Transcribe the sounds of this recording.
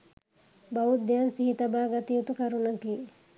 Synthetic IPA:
baut̪d̪ejansiɦit̪ɐbaːɡat̪ijut̪ukaɾunɐkiː

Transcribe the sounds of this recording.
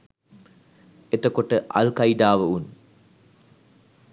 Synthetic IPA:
et̪əkoʈəʔa̰lkɐiɖ̪aːʋəun

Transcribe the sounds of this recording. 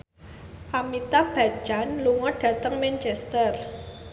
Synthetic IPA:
ʔamit̪ab̥a̤̥d͡ʒanluŋɔɖ̥ä̤t̪əŋmɛnt͡ʃɛst̪ər

